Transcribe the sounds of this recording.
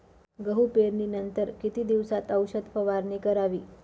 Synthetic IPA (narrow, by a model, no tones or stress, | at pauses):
ɡəɦupeɾninənt̪əɾkit̪id̪iʋsat̪əwʃəd̪pəʋaɾnikəɾaʋi